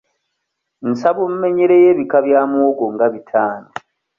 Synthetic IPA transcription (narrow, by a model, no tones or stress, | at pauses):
n̩saβum̩me̞ɲeɾeje̞ːβikaβjaːmwoɡoŋɡaβitʰaːno